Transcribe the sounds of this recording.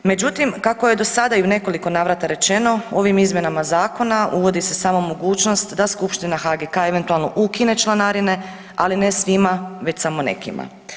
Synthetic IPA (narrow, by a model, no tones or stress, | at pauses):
me̞d͡ʒut̪imkako̞je̞d̪o̞sad̪aiune̞ko̞liko̞naːʋɾat̪aɾe̞t͡ʃe̞no̞o̞ʋimizmje̞namazaːko̞nauʋo̞d̪ise̞saːmo̞mo̞ɡuːt͡ʃno̞st̪d̪askupʃt̪inaxaɡekae̞ʋent̪ualˠno̞ʔukine̞t͡ʃlˠanaɾine̞ | aline̞sʋimaʋe̞t͡ɕsamo̞ne̞̰kḭma̰